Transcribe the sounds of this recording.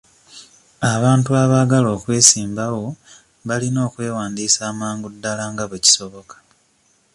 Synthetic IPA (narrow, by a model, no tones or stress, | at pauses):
aβaːntuaβaːɡalo̞ːkwe̞ːsiːmbawo̞ | βalino̞ːkwe̞ːwaːndiːsaːmaːŋɡudːalaŋɡaβeci̥so̞βo̞kḁ